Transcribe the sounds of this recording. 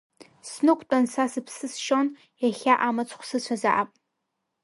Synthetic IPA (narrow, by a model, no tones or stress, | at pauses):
snɨkʷʰʼt͡pʷʼansasɨpʰsɨsʃon | jaχʲaʔamat͡sʷʰʼχʷsɨt͡ɕʷʰazaʔapʼ